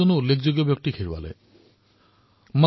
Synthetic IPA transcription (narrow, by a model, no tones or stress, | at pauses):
onulekʰd͡ʑoɡjɔbjok̚tikʰeɹuwa̰lḛ | ma